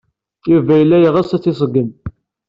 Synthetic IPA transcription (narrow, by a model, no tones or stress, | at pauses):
juvæjəlːæjʁəsæt͡sːis̬ˤəɡən